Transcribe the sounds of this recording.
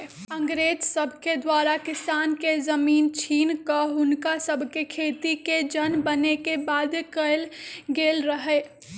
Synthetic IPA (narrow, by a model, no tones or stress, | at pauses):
ə̃ŋɡɾeːd͡ʒsəbʱked̪waɾakɪsankezəmiːnt͡ʃʰinkəɦʊnkasəbʱkekʰet̪iked͡ʒənbənekebad̪kəlɡelɾəɦɛ